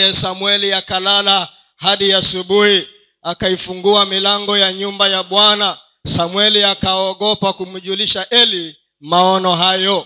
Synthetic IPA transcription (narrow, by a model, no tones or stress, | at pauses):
ɛsamwɛliakalala | haɗiasuɓuhi | akaifuŋɡuamilaŋɡɔjaɲumbajaɓwana | samwɛliakaɔɠɔpakum̩ʄuliʃaʔɛli | maɔnɔɦajɔ